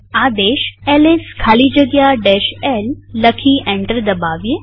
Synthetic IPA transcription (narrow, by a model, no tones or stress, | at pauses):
ad̪eɕɛleskʰaliːd͡ʑəɡjaɖɛɕɛlːəkʰiʔɛ̃ɳʈəɾd̪əbaʋje